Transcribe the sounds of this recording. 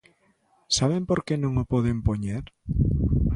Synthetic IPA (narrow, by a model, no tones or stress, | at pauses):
saβ̞empoɾkenõŋopɔðempoɲeɾ